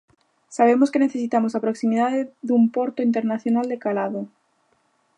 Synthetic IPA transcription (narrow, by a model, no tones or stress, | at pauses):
saβ̞emoskeneθesit̪amosapɾoksimið̞aðeðumpoɾt̪oint̪eɾnaθjonald̪ekalaðo